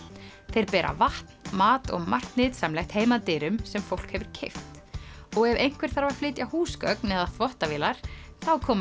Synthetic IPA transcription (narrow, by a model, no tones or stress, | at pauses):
θejɾpɛːɾʔa̰vaht̪nmaːt̪ɔ̰ɣmar̥t̪nɪːðsamlɛjxt̪heːjmat̪ɪːɾʏmsɛmfowl̥khɛvʏɾ̥cʰɪjft̪ɔɣɛvejŋ̥kʰvɛɾ̥θaɾvaɾ̥flɪːt̪jahuːskœknɛðaθvɔht̪aviːlaɾ̥θawkʰɔːm